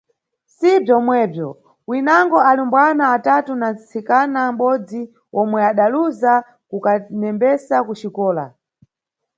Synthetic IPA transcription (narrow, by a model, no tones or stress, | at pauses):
sibjɔmwɛːbjɔ | winaŋɡɔalimbwanaːtatunat͡sʰikanamɓɔd͡zi | ɔmwɛaɗaluza | kukanɛmbɛsakut͡ʃikɔːla̰